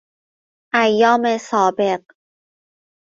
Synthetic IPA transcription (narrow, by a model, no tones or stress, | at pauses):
ʔæjːɒːmesɒːbe̞ɢ